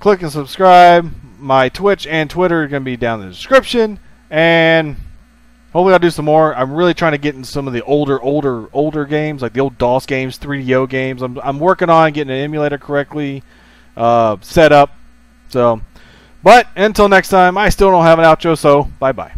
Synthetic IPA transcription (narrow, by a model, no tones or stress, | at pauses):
kʰl̥ɪkɨ̃nsəb̥skɹaɪbmaɪtʰw̥ɪt͡ʃɨ̃ntʰw̥ɪɾə˞zɡʌnəbidãʊ̃nðɨdɨskɹɪpʃɨ̃n | ɨ̃n | hoʊfliaɪdɨsʌ̃mːɔɹãɪ̃mɹɪlˠitʰɹ̥aɪɪ̃ŋtʰɨɡɛɾɪ̃n̩tɨsʌ̃mʌvðiʔoʊlˠdə˞ʔoʊlˠdə˞oʊlˠdə˞ɡẽɪ̃mzlaɪk̚ðioʊlˠdɔsɡ̥ẽɪ̃mz̥θɹidioʊɡẽɪ̃mzãɪ̃mãɪ̃mwɜ˞kɪ̃ŋə̃ñnɡɛɾɪ̃ŋɨ̃ɛ̃mjɨleɪɾə˞kʰə˞ɛk̚tˡli | ʔʌsɛɾʌp̚ | soʊ | b̥ʌɾ̚ɨ̃ntʰɪlˠnɛkstʰãɪ̃maɪstɪlˠdõʊ̃nhɨvə̃naʊt̚t͡ʃoʊsoʊb̥aɪba̰ɪ